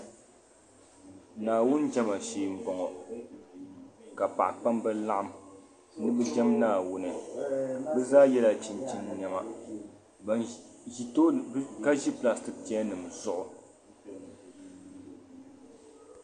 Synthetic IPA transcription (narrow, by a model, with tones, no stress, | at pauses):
naː˨wʊ˦nd͡ʒɛ˦ma˨ʃeː˨m̩˦bɔ˨ŋɔ˨ | ka˨pa̰˨ʔk͡pa˦mbɛ˦la˦ʔa˦m | nɨ˦bɛ˦d͡ʒɛ˦mnaː˦˨wʊ˦nɨ˨ | bɛ˦zaː˦jɛ˦la˦t͡ʃi˨nt͡ʃi˦n˦ɲɛ˦ma˦˨ | i˨to˦ka˦ʒi˦pla˨stɨ˨pːnɨ˨mzʊ˦ʔʊ˨